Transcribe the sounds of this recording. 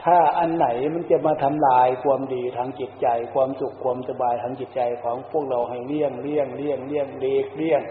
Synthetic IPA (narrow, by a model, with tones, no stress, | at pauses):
t̪ʰaː˧˩ʔa˧nːa˨˩˦jma˧˥˨nt͡ɕa˧˩maː˧t̪ʰa˧mlaː˧jkʰwaː˧mdiː˨˩t̪ʰaː˧ŋt͡ɕi˨˩t̪̚t͡ɕa˧jkʰwaː˧msu˨˧˩kʰːwaː˧mʔa˧˩t̪ʰa˧baː˧jt̪ʰaː˧ŋt͡ɕi˨˩t̪̚t͡ɕa˧jkʰɔː˨˦ŋpʰu˥˩ək̚ɾa˧wɦa˧˨˩jli˥˩əŋli˧˥˩əŋli˥˩əŋli˥˩əŋleː˧˩k̚li˥˩əŋ